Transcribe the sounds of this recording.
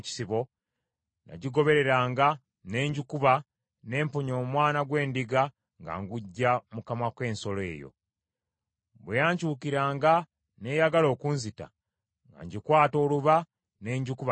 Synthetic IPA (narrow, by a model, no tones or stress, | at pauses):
ci̥siβo̞ | na̰ɟiɡo̞βe̞ɾe̞ɾaːŋɡa | ne̞ːɲɟukuβa | ne̞ːmpoɲoːmwaːnaɡwe̞ːndiɡa | ŋɡa̰ŋɡuɟːamukamakwe̞ːnso̞le̞̰ːjo̞̰ | bwejaːɲcuːkiɾaːŋɡa | ne̞jaɡalo̞ːkunzita̰ | ŋɡa̰ɲɟikwaːto̞ːluβa | ne̞ːɲɟukuβa